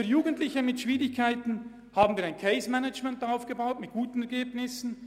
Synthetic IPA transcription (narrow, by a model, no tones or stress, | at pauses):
juːɡəntlɪçəmɪtʃv̥iːʁɪçkʰaɪtn̩ | haːbn̩viːɾaɪnkʰeɪsmɛnad͡ʒmɛntaʊfɡ̥əbaʊtmɪt̚ɡ̥uːtn̩ɛɾɡeːbnɪsn̩